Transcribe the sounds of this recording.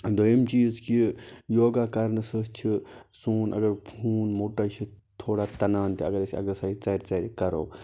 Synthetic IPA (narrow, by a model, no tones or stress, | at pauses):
d̪ojɐmt͡ʃiːd͡zkijoːɡakɐɾnɨsət͡ʃʰisuːnʔɐ̰ɡɐɾpʰuːnmoːʈat͡ʃʰi | t̪ʰːoːɽat̪ɐnaːnt̪iɐɡɐɾɐsʲɐ̰ɡɐsaːit͡sɐɾʲt͡sɐɾikɐɾoː